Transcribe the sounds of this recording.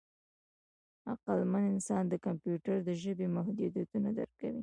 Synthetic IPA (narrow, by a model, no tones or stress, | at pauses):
a̰qalmanɪnsɑnd̪əkampjuʈaɾd̪əʒəbemahd̪ud̪jat̪unad̪əɾkawi